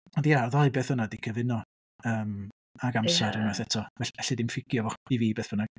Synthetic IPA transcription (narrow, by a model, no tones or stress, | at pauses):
ɔndjaɔðɔɨbeːθənadikʰəvɪnɔ | əːm | aɡamsaɾənaɛθɛtʰɔvɛɛɬidɪmfɪɡ̥jɔvɔ̥iviːbeːθvəna